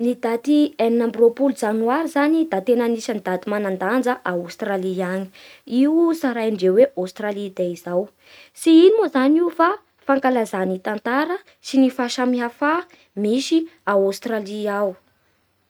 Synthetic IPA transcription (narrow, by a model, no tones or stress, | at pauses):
nid̪at̪ieninambropuld͡zanuaɾizanid̪at̪enanisənid̪ad̪imanand̪and͡zəʔaust̪raliani̥iwusaɾajɳɖ͡ʐeweʔast̪ɾalid̪eizaw | siinimozaniwfa | faŋkalazanit̪ant̪aɾə | sinifaʃamiɦafa | misiaust̪raliaw